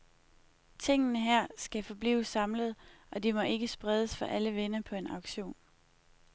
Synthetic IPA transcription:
t͡sʰe̝ŋ̰ənəɦæɐ̰sɡ̥æfɒ̽b̥lḭːʊsːɑ̈mləð̞̩ˠʔɒ̽d̥imɒ̽ʔe̝ɡ̥əsb̥ʁɛð̞ˠəsfɒ̽ʔæləʋenɐpʰɒ̽e̝nɑ̈ʊɡ̥ɕo̝̰ːn

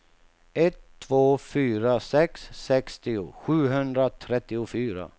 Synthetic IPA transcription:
ɛt̪ʰːvoːfyːɾasɛksːɛkst̪ɪʊɧʉ̟ːɦɵnd̪ɾat̪ʰɾɛt̪ːɪʊfyːɾa̰

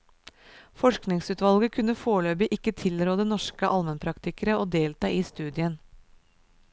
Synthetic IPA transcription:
fɔʃknɪŋsʉːt̪ʋɑlɡəkʰʉnəfoːɭøːbɪʔɪkːət̪ʰɪlɾoːd̪ənɔʂkəʔɑlmənpʰɾɑkt̪ɪkəɾəoːd̪eːlt̪ɑːiːst̪ʉːd̪ɪən

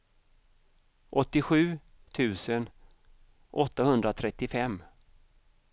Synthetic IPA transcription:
ʔɔt̪ːɪɧʉ̟ː | t̪ʰʉ̟ːsən | ʔɔt̪ːahɵnd̪ɾat̪ʰɾɛt̪ːɪfɛmː

